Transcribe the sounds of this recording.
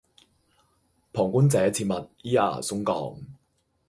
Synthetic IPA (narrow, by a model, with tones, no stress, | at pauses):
pʰɔː˨˩ŋku˥nt͡sɛː˨˥t͡sʰiː˧t̚mɐ˨t̚jiː˥a̰ː˨˩sʊ˥ŋkɔ̰ː˨˩ŋ